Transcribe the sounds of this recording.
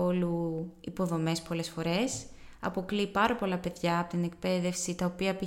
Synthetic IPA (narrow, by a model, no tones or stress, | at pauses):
o̞luipo̞ðo̞me̞spo̞le̞sfo̞ɾe̞s | ɐ̰po̞klipɐɾɐpo̞lɐpe̞ðʝɐːpo̞t̪ine̞k̚pe̞ðe̞fsit̪ɐopiɐpi